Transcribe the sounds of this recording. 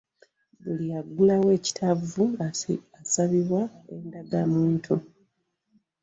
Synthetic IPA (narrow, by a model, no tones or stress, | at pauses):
bulijaɡulawe̞ːci̥tʰavuasaβiβwae̞ndaɡamuːntʰu